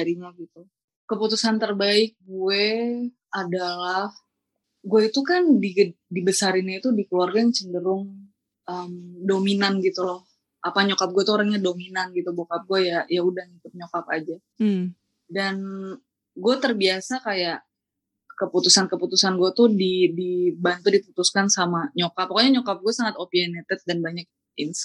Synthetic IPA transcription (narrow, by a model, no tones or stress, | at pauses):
aɾiɲaɡit̪u | kəput̪usant̪ərbaɪk̚ɡue | adalah | ɡueit̪ukandiɡ | dibəsaɾinɲait̪udikluarɡajaŋt͡ʃəndəɾʊŋ | əmdominanɡit̪ulɔh | ʔapaɲokap̚ɡuet̪uoɾaŋɲadominanɡit̪ubokap̚ɡuajajaudahŋikʊt̪̚ɲokapa̰d͡ʒa | dan | ɡuat̪ərbiasakajaʔ | kəput̪usankəput̪usanɡuat̪udidibant̪udiput̪uskansamaɲokapːakoɲaɲokap̚ɡuasaŋat̪opianɛt̪ɛt̪̚danbaɲak̚ | ɪns